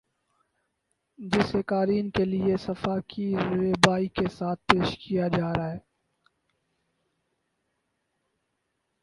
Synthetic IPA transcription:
d͡ʒɪsekaːɾiːnkelɪesɐfaːkʰiɾeːbaːikesaːt̪̚ʰpeːʃkijad͡ʒaːɾaːɦɛː

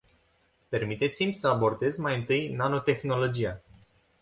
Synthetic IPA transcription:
pe̞rmit̪e̞t̪simʲsəabo̞rd̪e̞zmajɨnt̪ɨjnano̞t̪e̞xno̞lo̞d͡ʒija

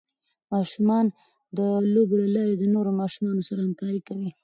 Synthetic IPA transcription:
mɑʃumɑn | d̪əlobelalɑɾed̪ənoɾomɑʃumɑnosaɾahamkɑɾikawi

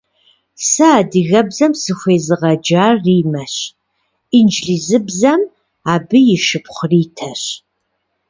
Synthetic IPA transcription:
sɨaːdɨɣɐbzɐmsɨxʷeːzɨʁɐd͡ʒaːrrːiːmɐɕ | ind͡ʒɮiːzɨbzɐm | aːbɨjɪʃɨpχʷʊriːtʰɐɕ

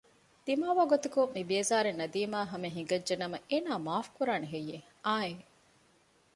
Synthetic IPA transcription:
d̪̥imaːʋaːɡot̪ɐkomibeːzaːɾenːɐd̪iːmaːɦɐmeɦiŋɡɐd͡ʒd͡ʒenɐmɐʔeːnaːmaːfkuɾaːneɦejːe | aːe

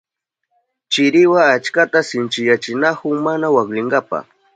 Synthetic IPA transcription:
t͡ʃɪɾɪwaːt͡ʃkat̪asɪnt͡ʃɪjat͡ʃɪnakʊmanawaklɪŋɡapa̰

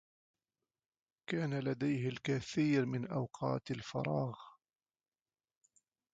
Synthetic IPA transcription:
kaːnalad̪ajhɪlkaθiːɾmɪnʔawqʰɑːt̪alfɑ̰ɾˤɑːɣ

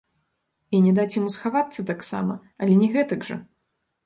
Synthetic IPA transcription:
inʲɛd̪at͡sʲjamusxavat̪sːɐt̪aksa̰mɐ | ɐlʲɛnʲɛɣɛt̪ɐɡʐɐ̰

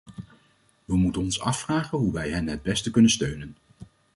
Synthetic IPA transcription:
ʋəmutənɔnsɑ̰fraːχənɦuʋɛjɦɛnɦəd̚bɛstəkɵnənstøɥnən

